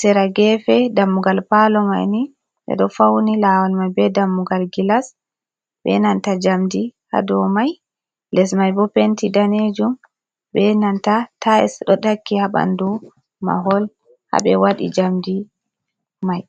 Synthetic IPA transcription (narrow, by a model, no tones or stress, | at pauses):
sɛɾaɡɛfɛdamːuɡalpalɔma̰jni | ɓɛ̰ɗɔfawnilawalmajbɛdamːuɡalɡilas | bɛ̰nantad͡ʒamdiha̰dɔmaj | lɛsmajbɔpentidaned͡ʒum | bɛnantataɛ̰sɗɔɗakːihaba̰ndu | ma̰ɦɔl | ha̰bɛ̰waɗḭd͡ʒamdi | maj